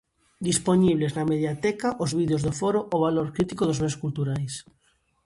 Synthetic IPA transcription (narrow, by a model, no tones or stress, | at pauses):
d̪ispoɲiβ̞leznameðjat̪ɛkaʔozβiðjozðofoɾoʔoβaloɾkɾit̪ikoðozmeskult̪uɾajs